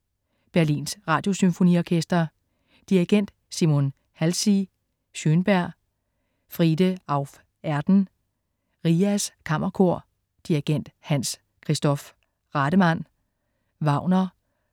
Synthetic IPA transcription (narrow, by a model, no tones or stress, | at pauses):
b̥æɐlḭːnsʁɑ̈ːd̥jo̝symfo̝nḭɒkʰesd̥ɐ | d̥iiɡ̥en̰d̥ | simo̝n | hælsi | ɕønb̥æɐ̰ | fʁiːd̥əɑ̈ʊf | æɐd̥n̩ | ʁiːæskʰɑm̰ʔɐkʰo̝ɐ̰ | d̥iɐɡ̥en̰d̥hæn̰s | kʰʁisd̥ɒ̽f | ʁɑɾ̥əmæn̰ | ʋɑ̈ʊ̰nɐ